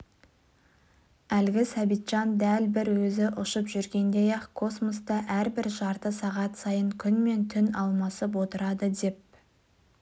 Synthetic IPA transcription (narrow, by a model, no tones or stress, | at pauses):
ælɡʲɪsæbijt̪ʒ̥ɑnd̪ælbɪɾwɵzɪʔʊʃəpʒʏɾɡʲe̞nd̪e̞jɑkʰo̞smost̪ɑʔæɾbɪɾʒɑɾt̪əsɑʁɑt̪sɑjəŋkʲʰʏnme̞nt̪ʰʏnɑlˠmɑsəp̬wo̞t̪əɾɑd̪əd̪e̞p̚